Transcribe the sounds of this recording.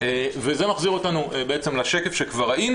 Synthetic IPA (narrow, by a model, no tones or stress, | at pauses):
eveze̞maχziʁo̞tanubeet͡semlaʃekefʃekvaʁain